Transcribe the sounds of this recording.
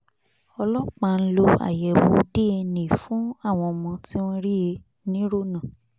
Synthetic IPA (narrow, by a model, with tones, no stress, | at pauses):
ɔ˧lɔ˦k͡pa˧˨n̩˦lo˧a̰˨jɛ˨wo˨˦de˦e˧nĩ˨fũ˨˦a˦˨w̃ɔ̃˧ɔ˧mɔ̃˧ti˦wɔ̃˦ɾi˦e˧ | nĩ˦ɾo˦˨nã˨